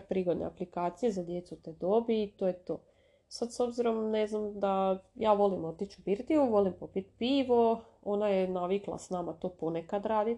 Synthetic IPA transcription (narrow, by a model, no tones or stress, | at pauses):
pɾiːɡo̞d̪nḛaplikaːt̪sije̞zad̪je̞t̪sut̪ed̪o̞biːt̪oːjet̪o̰ː | sad̪so̞bziɾo̞mneznamd̪ajaːʋo̞limo̞t̪it͡ɕubiɾd̪iuʋo̞limpo̞pit̪piːʋo̞ | o̞najenaʋiklˠa̰snaːmat̪o̞ːpo̞nekad̪ɾaːd̪i